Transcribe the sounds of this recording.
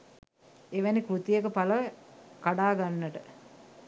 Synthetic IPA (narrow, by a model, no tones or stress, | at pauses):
eʋænikɾut̪ijekəpaləʋkaɖaːɡanːəʈə